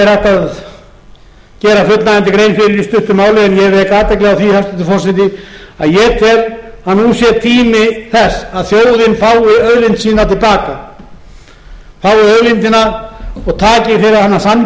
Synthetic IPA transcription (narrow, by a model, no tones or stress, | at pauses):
ɛɾaht̪að | cɛːɾafʏt̪lnaɛnt̪ɪkɾejnfɪɾɪɾist̪ʏht̪ʏmaːwlɪɛnjɛvɛːkaːt̪ɛjklɛɣawθihast̪ʏt̪ɪfɔr̥sɛt̪ɪa̰ðjɛt̪ʰɛɾ | hanːusjɛɾt̪ʰiːmɪθɛsaðθjoːwðɪnfaːwɪœðlɪnt̪siːnat̪ʰɪlpaːka | faːwɪœðlɪnt̪ɪnaɔɣt̪ʰaːcɪθeɾaðhanːasan